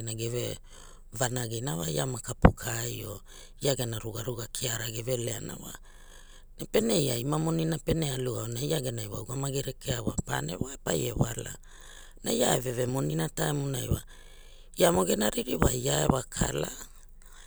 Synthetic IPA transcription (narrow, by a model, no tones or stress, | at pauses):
enaɡeve̞ | vanaɡinawajamakapukʰajo̞ | iaɡenaɾuɡaɾuɡakʰiaɾaɡeve̞leana̰wa | nepe̞ne̞jaimamo̞ninape̞nealuaonajaɡe̞najwa̰uɡamaɡeɾekeawapa̰ne̞̰waepaje̞βala̰ | najaeve̞ve̞mo̞ninataemonajwa | iamo̞ɡe̞naɾiɾiβaiaeβakʰa̰la